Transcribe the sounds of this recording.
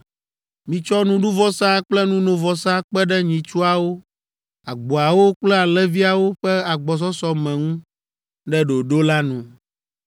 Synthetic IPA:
mĩ˨t͡ʃɔ˦nũ˦ɖu˦vɔ˦sã˦k͡plɛ˦nũ˦nõ˨vɔ˨sã˦k͡pɛ˦ɖɛ˦ɲĩ˨t͡ʃu˦a˨wo˦ | a˨ɡ͡bo˨a˨wo˦k͡plɛ˦a˨lɛ˦vi˦a˨wo˦ɸɛ˦a˨ɡ͡bɔ˨s̬ɔ˦sɔ˦mɛ̃˨ŋũ˦ | ɖɛ˦ɖo˨ɖo˦la˦nũ˨

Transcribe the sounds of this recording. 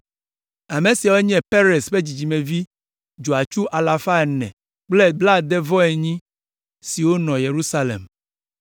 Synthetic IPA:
a˨me˨si˨a˨wo˦ɲɛ̃˨pe˦ɾe˨sɸe˦d͡ʑi˨d͡ʑi˨mẽ˨vi˦ | d͡ʒu˨a˨t͡ʃu˦ʔa˨la˨fa˦ɛ˨nɛ̰̃˨ | k͡ple˦bla˦d̪ɛ˦vɔ˦ɛ˨ɲĩ˦ | si˨wo˦nɔ̃˨je˨ɾu˦sa˦lḛ˨m

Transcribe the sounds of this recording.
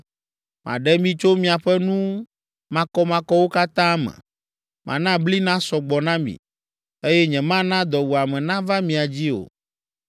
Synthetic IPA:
mʔã̰˨ɖɛ˦mĩ˦t͡ʃo˦mĩ˨a˨ɸɛ˦nũ˦ | mã˨kɔ˦mã˨kɔ˦wo˦ka˦t̪ã˦mɛ̰̃˨ | mʔã̰˨nã˦bli˦nã˦sɔ˨ɡ͡bɔ˨nã˦mḭ̃˨ | e˦jɛ˦ɲɛ̃˨mã˦nã˦d̪ɔ˨wu˨a˨mɛ̃˨nã˦va˦mĩ˨a˨d͡ʑi˦o̰˨

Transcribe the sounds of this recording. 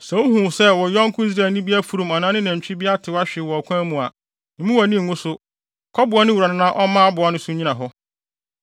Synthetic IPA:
sɛ˨wo˦ɦũ˨sɛ˦wɔ˨jɔ̃˦ŋ˦kʰʊ˦i˦s̬ɾaː˨nĩ˦bi˦a˦fu˨ɾũ˨ma˨nã˦nɪ̃˦næ̃˨ɲ˨t͡ɕᶣi˦bi˦a˦tʰɪ˨wa˦ɕᶣɪ˨wɔ˨kʰʷã˦mũ˨a̰˨ | nɪ̃˨mũ˦wa˨nĩ˦˨ɡʊ̃˦sʊ˦ | kʰɔ˦bʊ˨a˦nɪ̃˦wu˨ɾa˨nɪ̃˦nã˦ʔɔ˦mãː˦a˦bʊ˨a˨nʊ̃˦sʊ˦ɲĩ˦nã˨ɦɔ˦

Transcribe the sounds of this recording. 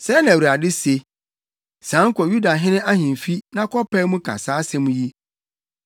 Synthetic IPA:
sɛ˦nã˨u˨a˨dɪ˦se˨ | sãː˨˦ŋ̩˦kʰɔ˨ju˦da˨ɦɪ̃˦nɪ̃˦a˦hĩ˨n˨fi˦nã˦kʰɔ˦pɛ˦mũ˦kʰa̰˨saː˨˦sɛ˦mũ˦ji˦

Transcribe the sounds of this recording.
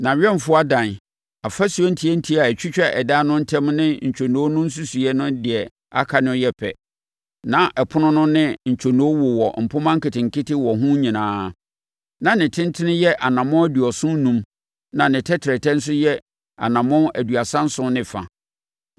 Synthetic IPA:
nã˨ɥᶣɛ˦m˨fʊ˦a˦dã˨n | a˨fa˦su˨ɛ˦n̩˦tʰi˨˦ɛ˦n̩˦tʰi˦a˨ɛ˨t͡ɕʰᶣi˦t͡ɕᶣɛ˦ʔɛ̰˨da˦nʊ̃˦n̩˦tʰɛ̃˦mnɪ̃˦ɲ̩˨t͡ɕᶣʰo˨nũ˨˦o˦nʊ̃˦n̩˦s̬u˦su˨ɛ˦nʊ̃˦dɪ˨ɛ˨ | a̰˦kʰa˨nʊ̃˦jɛ˦pʰɛ̰˨ | nã˨ʔɛ˨pʰʊ˦nʊ̃˦nʊ̃˦nɪ̃˦ɲ̩˨t͡ɕᶣʰo˨nũ˨˦wʊ˨wɔ˨m̩˨pʰʊ˦mã˦ŋ̩˦kɪ˨tʰɪ̃˨ŋ̩˨kʰɪ˦tɪ˦wɔ˨ɦũ˦ɲĩ˨nãː˨˦ | nã˨nɪ̃˨tʰɪ̃˦n˦tʰɪ˦nɪ̃˦jɛ˦ʔa˨nã˨mʊ̃˦æ˦di˨ɔ˨sʊ̃˦n˦nũ˨m | nã˨nɪ̃˨tʰɛ˦tʰɪ˨ɾɛ˨tʰɛ˦n̩˦s̬ʊ˦jɛ˦ | a̰˨nã˨mʊ̃˦æ˨du˨a˨sã˦n̩˦sʊ̃˦nɪ̃˨fa̰˨

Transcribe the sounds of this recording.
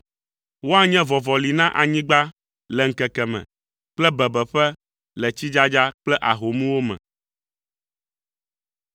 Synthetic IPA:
wo˦a˦ɲɛ̃˦vɔ˨vɔ˨li˨nã˦ʔa˨ɲĩ˦ɡ͡ba˦ | lɛ˨ŋ̩˨kɛ˨kɛ˨mɛ̰̃˨ | k͡plɛ˦bɛ˨bɛ˨ɸɛ˦ | lɛ˨t͡ɕi˦d͡ʒa˦d͡ʒa˦k͡plɛ˦ʔa˨ɦo˨mũ˦wo˦mɛ̰̃˨

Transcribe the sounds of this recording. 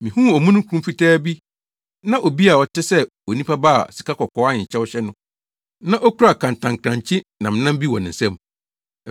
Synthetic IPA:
mĩ˨hũ˦ɔ˨mũ˦nʊ̃˦kʰũ˦m˦fi˦tʰɛː˦bi˦ | nã˦ʔɔ˨bi˦a˨ɔ˨tʰɪ˦sɛ˦wɔ˨nĩ˦pʰa˦ba˦a̰˨si̥˨ka˦kɔ˨kʰɔː˦a˦ɪ˨t͡ɕʰɛ˦wɔ˦ɕɛ˦nʊ̃˦ | nã˦ʔɔ˦kʰu˦ɾa˨kʰã˨ntʰã˨ŋkʰɾã˨ɲt͡ɕʰɪ̃˦nã˨m̃˨nã˦m˦bi˦wɔ̰̃˨nɪ̃˨n̩˨sɛ̃˦m˨

